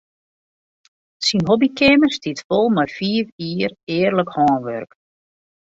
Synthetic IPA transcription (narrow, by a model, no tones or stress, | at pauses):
sinɦobikɪmərstitfolˠmajfiːfiːərɪːrləkhɔːnʋø̰rk